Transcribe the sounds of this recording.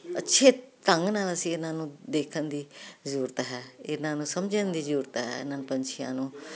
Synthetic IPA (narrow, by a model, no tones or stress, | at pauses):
ətːʃʰeːt̪əŋɡnaːləsĩːɪnãːnũːd̪eːkʰənd̪iːzəɾuːɾət̪ɦɛːɪnãːnũːsəmd͡ʒənd̪iːzəɾuːɾt̪ɦɛ̰ːɪ̰nãːnũːpəɲt͡ʃʰɪjã̰ːnũː